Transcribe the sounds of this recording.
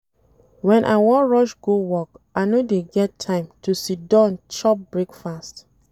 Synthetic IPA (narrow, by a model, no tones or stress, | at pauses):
wɛ̃nʔa̰ɪwɔ̃ɹɔʃɡ̥owɔk | aɪnodeɡɛtʰãɪ̃mtusit̚dãnt͡ʃɔp̚bɹekfast